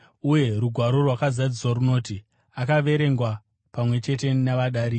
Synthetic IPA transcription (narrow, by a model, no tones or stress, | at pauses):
uje̞ɾuɡʱwaɾo̞rwakazad͡ziswaruno̞ːti | akaʋe̞ɾe̞ŋɡwa | pamwe̞t͡ʃe̞te̞naʋaɗaːɾi